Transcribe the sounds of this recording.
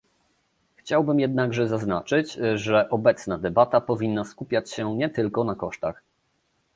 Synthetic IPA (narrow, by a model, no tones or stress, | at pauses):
xt͡ɕawbɘmjɛd̪̚naɡʐɛzazna̰t͡ʂɘt͡ɕʐɛʔɔbɛt̪snad̪ɛbat̪apɔvʲinːaskupʲjat͡ɕɕɛɲɛt̪ɘlkɔnakɔʂt̪a̰x